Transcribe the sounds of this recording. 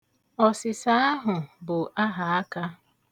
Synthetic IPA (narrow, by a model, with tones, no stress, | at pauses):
ɔ˨sɪ˨sa˦a˦ɦʊ˨bʊ˨ʔa˦ɦa˨a˦ka˦